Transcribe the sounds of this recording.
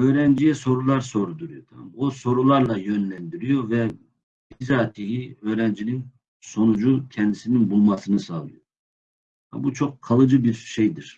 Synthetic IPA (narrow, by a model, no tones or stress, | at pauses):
ø̞ːɾɛnd͡ʒijɛso̞ɾulˠaɾso̞ɾud̪uɾujot̪ʰa̰mmoso̞ɾulˠaɾlˠajønlʲænd̪iɾijo̞vɛ | b̥izaːt̪ʰiɦiø̞ːɾænd͡ʒinin | so̞nud͡ʒucʰɛnd̪isininbulˠmasɯnɯsaːlˠɯjo | a̰but͡ʃʰo̞kkʰːalˠɯd͡ʒɯbiɾʃejd̪iɾ̥